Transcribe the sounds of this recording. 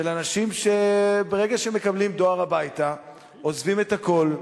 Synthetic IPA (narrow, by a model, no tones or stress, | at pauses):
ʃelanaʃimʃe̞be̞ʁe̞ɡaʃeme̞kablimd̪o̞aʁabajt̪a | ozvime̞t̪hako̞l